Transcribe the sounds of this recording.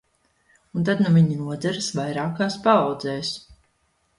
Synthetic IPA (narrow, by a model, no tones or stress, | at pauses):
unt̪̬ad̪nuviɲinuɔzɛɾsvajɾaːkaːspaɑwd̪zɛːs